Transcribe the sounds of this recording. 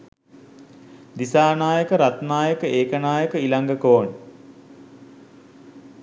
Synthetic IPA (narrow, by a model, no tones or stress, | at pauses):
d̪isaːnaːjəkəɾat̪naːjəkəeːkənaːjəkəilaŋɡəkoːn